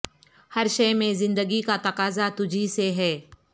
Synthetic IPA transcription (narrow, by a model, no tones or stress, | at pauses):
hɐɾʃɐmẽzɪ̃nd̪əɡikat̪ɐqaːzat̪ʊd͡ʒʱiseɦɛː